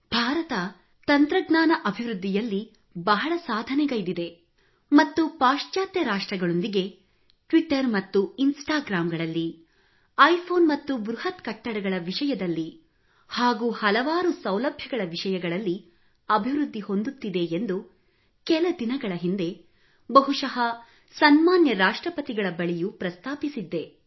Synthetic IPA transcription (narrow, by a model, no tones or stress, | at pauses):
bʱaːɾɐt̪ɐ | t̪ɐnt̪ɾɐɡnaːnɐʔɐbʱiʋɾud̪ʱːijɐlːi | bɐɦɐɭɐsaːd̪ʱɐnɛɡɐjid̪id̪e̞ | mɐt̪ːupaːʂt͡ʃaːt̪jɐɾaːʂʈɾɐɡɐɭo̞nd̪iɡe̞ | ʈʋiʈːɐɾmɐt̪ːuinsʈaːɡɾaːmɡɐɭɐlːi | ɐjpʰoːnmɐt̪ːubɾuhɐt̪kɐʈːɐɽɛɡɐɭɐʋiʂɐjɐd̪ɐlːi | haːɡuːhɐlɐʋaːɾusɐwlɐbʱjɐɡɐɭɐʋiʂɐjɐɡɐɭɐlːi | ɐbʱiʋɾud̪ʱːiho̞nd̪ut̪ːid̪e̞ːnd̪u | kɛlɐd̪inɐɡɐɭɐɦind̪e̞ | bɐɦuʂɐɦɐ | sɐnmaːnjɐɾaːʂʈɾɐpɐt̪iɡɐɭɐbɐɭijupɾɐst̪ʰaːpisid̪ːe̞